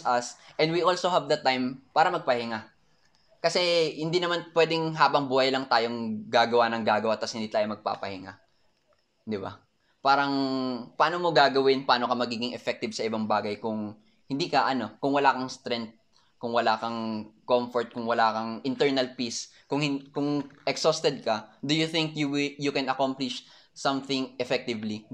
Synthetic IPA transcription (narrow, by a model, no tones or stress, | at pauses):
ɐsʔɛ̃nd̪wiʔolsohɛvd̪ɐt̪ajmpaːɾɐmɐɡ̚pɐhɪŋa | kɐsɛhɪnd̪iːnɐmanpwɛːd̪ɪŋɦaːbɐŋbuːhɐjlɐŋt̪aːjoŋɡaːɡɐwanɐŋɡaːɡɐwat̪ɐshɪnd̪iːt̪aːjomɐɡ̚pa̰ːpɐhɪŋa̰ | d̪ɪba̰ | paːɾɐŋpɐʔaːnomoɡaːɡɐwɪnpaːnokɐmɐɡiːɡɪŋɛfɛk̚t̪ɪbsɐʔɪbaŋbaːɡɐjkʊŋ | hɪ̃nd̪iːkɐʔɐno̞kʊŋwɐlaːkɐŋst̪ɾɛnt̪̚ | kʊŋwɐlaːkɐŋkomfɔɹt̪̚kʊŋwɐlaːkɐŋʔɪnt̪ɛɹnɐlpiskʊŋhɪkʊŋʔɛksost̪ɛd̪̚kɐd̪ʊjʊθɪŋkjuwɪjʊkɛnɐkomplɪʃ | sɐmθɪŋʔɛfɛk̚t̪ɪvli